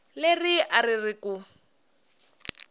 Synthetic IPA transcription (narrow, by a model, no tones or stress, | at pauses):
leriʔaririku